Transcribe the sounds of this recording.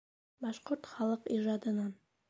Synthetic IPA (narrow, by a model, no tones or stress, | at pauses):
bɑʃqoɾt̪χɑlˠɤqiʒɑd̪ɤ̆nɑn